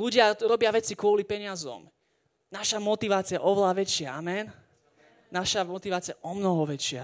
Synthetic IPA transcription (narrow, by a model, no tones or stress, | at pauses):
luɟɪaɾɔbɪaʋɛt͡sikʊɔlipɛɲɪazɔ̰m | naʃamɔt̪iʋaːt͡sijaʔɔʋɛlaʋɛt͡ʃɪaamɛn | naʃamɔt̪iʋaːt͡siɪjaʔɔmnɔɦɔʋɛt͡ʃɪa̰